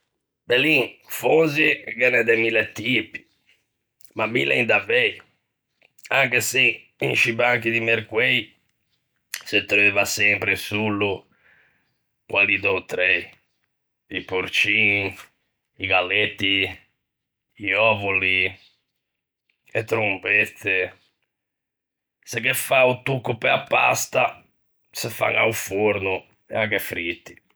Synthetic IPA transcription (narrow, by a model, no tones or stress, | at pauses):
bɛliŋfonziɡɛnɛd̪ɛmilɛt̪ːipi̥ | mamilɛ̰ind̪avɛj | aŋkesi | inʃibaŋkid̪imeɾkwe | set̪ːɾevasɛmpɾesulːu | kwalid̪ɔt̪ɾɛi | ipuɾt͡ʃin | iɡalːet̪ːi | iɔvuli | et̪ːɾumpɛt̪ːe | sekːɛfaut̪ːukːupɛapːa̰st̪a | səfa̰ŋa̰ufoɾnʊ | ɛakːɛfɾit̪ːi̥